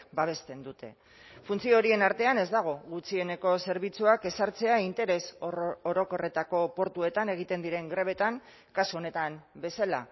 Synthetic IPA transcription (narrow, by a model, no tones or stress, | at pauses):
baβ̞e̞st̪e̞nd̪ut̪e̞̰ | funt͡sioɾie̞naɾt̪e̞ane̞zd̪aɣ̞o̞ɣut͡sie̞ne̞ko̞se̞ɾβ̞it͡suake̞saɾt͡se̞aint̪e̞ɾe̞soɾo̞ko̞re̞t̪ako̞po̞ɾt̪ue̞t̪ane̞ɣ̞it̪e̞nd̪iɾe̞ŋɡɾe̞β̞e̞t̪aŋ | kasuo̞ne̞t̪ambe̞sala̰